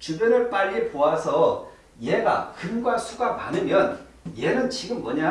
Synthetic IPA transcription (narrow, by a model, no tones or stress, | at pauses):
t͡ɕubeɾɯɭp͈aʎːipoasʰʌ | jeɡa̰kɯmɡwasʰuɡama̰nɯmjʌn | jenɯnt͡ɕiɡɯmːʌɲa